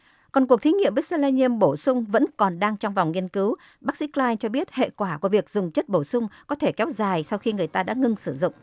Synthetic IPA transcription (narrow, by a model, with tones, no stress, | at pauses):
kɔ˨˩nku˨˩ək̚t̪ʰi˨˦ŋḭ˧˨əmvi˦˥t̚se˧laː˧ni˧əmɓo˧˩sʊ˧ŋ͡mvə̰˧˥nkɔ˨˩nɗaː˧ŋt͡ɕɔ˧wŋ͡mva˨˩wŋ͡mŋi˧ənkɨ˨˦w | ɓaː˦˥k̚sḭ˧˥klaː˧jnt͡ɕɔ˧ɓi˦˥ət̚hḛ˧˨kwaː˧˩ku˧˩vi˨˩ək̚zʊ˨˩ŋ͡mt͡ɕə˦˥t̚ɓo˧˩sʊ˧ŋ͡mkɔ˨˦t̪ʰe˧˩kɛ˨˦wzaː˨˩jsa˧wxi˧ŋɨ˨˩əjt̪aː˧ɗa̰ː˧˥ŋɨ˧ŋsɨ˧˩zʊ̰˧˨ŋ͡m